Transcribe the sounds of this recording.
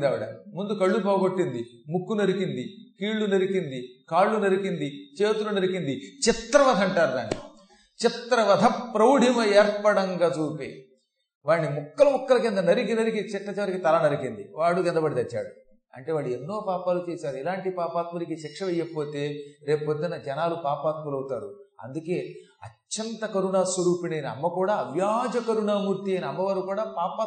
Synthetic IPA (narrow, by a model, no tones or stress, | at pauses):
d̪ɐːʋiɽɐ̰mund̪ukɐɭːupaːɡoʈːind̪i | mukːunɐɾikind̪ikiːɭːunɐɾikind̪ikaːɭːunɐɾikind̪it͡ʃe̞ːt̪ulunɐɾikind̪it͡ʃɪt̪ɾɐʋɐd̪ʱɐɐɳʈaːɾud̪aːnːi | t͡ʃɪt̪ɾɐʋɐd̪ʱɐpɾɐwɽʱimɐɛːɾpːɐɽɐŋɡaːt͡ʃuːpḛː | ʋaːɳːimukːɐlɐmukːɐlɐkɛnd̪ɐnɐɾik̬inɐɾikit͡ʃɛʈːɐt͡ʃɛʋɐɾikit̪ɐlɐnɐɾikind̪iʋaːɽukɛnd̪ɐbɐɽit̪ɐt͡ʃːa̰ːɽu | ɐ̰ɳʈe̞ːʋaːɭːuenːo̞ːpaːpaːlut͡ʃe̞ːsaːɾuilaːɳʈipaːpaːt̪mɐlik̬iʃikʂɐʋɛjːɐpo̞ːt̪eːɾe̞ːpoːt̪inːɐd͡ʒɐnaːlupaːpaːt̪mɐlɐwut̪aːɾuɐ̰nd̪uke̞ːɐ̰t͡ʃːɐnt̪ɐkɐɾuɳaːsʋɐɾuːpinɐjniɐ̰mːɐkuːɽaːɐʋjaːd͡ʒɐkɐɾuɳaːmuːɾt̪ijɐjniɐmːɐʋɐɾukuːɽaːpaːpaː